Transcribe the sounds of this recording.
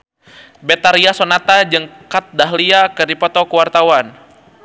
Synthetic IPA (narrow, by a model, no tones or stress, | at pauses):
bɛt̪aɾiasonat̪ad͡ʒəŋkat̪̚daɦliakərdipɔt̪ɔkəwart̪awan